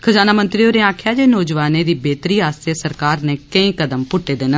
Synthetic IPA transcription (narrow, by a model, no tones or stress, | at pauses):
kʰəzaːnaːmə̃nt̪ɾiːoːɾeːaːkʰjaːd͡ʒeːnɔːd͡ʒʋaːnẽːd̪iːbeːt̪ɾiːaːsesəɾkaːɾneːkəĩːkəd̪əmpʊʈːeːd̪enə